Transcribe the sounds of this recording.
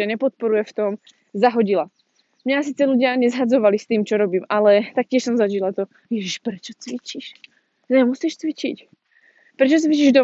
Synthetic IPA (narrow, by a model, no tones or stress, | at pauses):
aɲɛpɔt̪̚pɔɾujɛft̪ɔm | zaɦɔɟila | mɲas̬iːt͡sɛluɟɪaɲɛzɦad͡zɔʋalist̪iːmt͡ʃɔɾɔbiːmalɛt̪ak̚cɪɛʃsɔmzaʒilat̪ɔ | jɛʒiʃpɾɛt͡ʃɔt͡sʋit͡ʃiʃ | ɲɛmusiːʃt͡sʋit͡ʃḭc | pɾɛt͡ʃɔt͡sʋit͡ʃiʒd̪ɔ